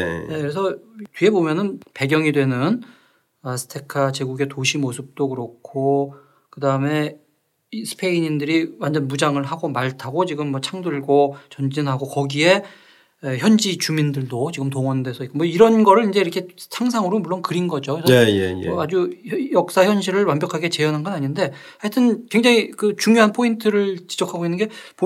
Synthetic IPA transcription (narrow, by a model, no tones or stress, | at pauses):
ne̞kɯɾe̞s̬ʰʌtɥie̞bomjʌnɯnpe̞ɡjʌŋidwe̞nɯn | asʰɯ̥tʰe̞kʰat͡ɕweɡuɡe̞toɕʰimosʰɯp̚t͈okɯɾʌkʰo | kɯdaɯme̞ | isʰɯ̥pʰe̞iɲindɯɾiwand͡ʑʌnmud͡ʑaŋɯɭɦaɡomaɭtʰaɡot͡ɕiɡɯmːʌt͡ɕʰaŋdɯɭɡot͡ɕʌnd͡ʑinɦaɡokʌɡie̞ | eçjʌnd͡ʑit͡ɕumindɯɭdot͡ɕiɡɯmtoŋʌndwe̞sʰʌik͈omʌiɾʌnɡʌɾɯɾind͡ʑe̞iɾʌkʰe̞sʰaŋs̬ʰaŋɯɾomuɭːonkɯɾinɡʌd͡ʑoisʰʌeḛad͡ʑujʌk̚s͈açjʌnɕ̬ʰiɾɯɭwambjʌkʰaɡe̞t͡ɕe̞jʌnɦanɡʌnaɲinde̞ | hatʰɯnkwe̞ŋd͡ʑaŋikɯt͡ɕuŋjoɦanpʰointʰɯɾɯɭt͡ɕid͡ʑʌkʰaɡoinːɯnɡe̞p